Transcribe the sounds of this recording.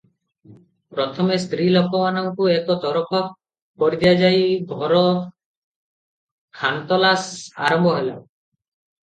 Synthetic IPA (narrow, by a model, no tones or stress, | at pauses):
pɾɔt̪ʰɔmest̪ɾilɔkɔmanɔŋkuekɔt̪ɔɾɔpʰɔk̚ | kɔɾid̪iad͡ʒajɡʱɔɾɔ | hant̪ɔlasa̰ɾɔmbʱɔɦela